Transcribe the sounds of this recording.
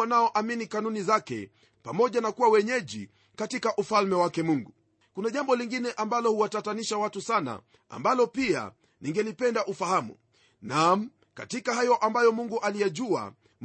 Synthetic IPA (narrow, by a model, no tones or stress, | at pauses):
anaɔʔaminikanunizakɛ̰ | pamɔʄanakuwawɛɲɛʄi | katikaʔufalmɛwakɛmuŋɡu | kunaʄambɔliŋɡinɛʔambalɔhuwatataniʃawatusana̰ | a̰mbalɔpia̰ | niŋɡɛlipɛndaʔufahamṵ | nam̩ | ka̰tikahajɔʔambajɔmuŋɡuʔalijaʄua̰ | m